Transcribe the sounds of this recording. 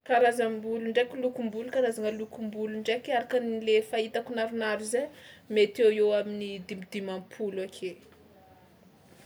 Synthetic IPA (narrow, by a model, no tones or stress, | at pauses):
kaɾazambuluɳɖ͡ʐekʲilukumbulukaɾazaŋəlukumbuluɳɖ͡ʐekaɾakənilefait̪akunaɾunaɾuzemet̪eweaminid̪imid̪imampʰulakʰe